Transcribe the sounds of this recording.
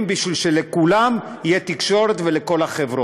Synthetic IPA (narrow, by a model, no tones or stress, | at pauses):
mbiʃvilʃe̞lekulam | ijet̪ikʃo̞ɾet̪vele̞ko̞laχevʁo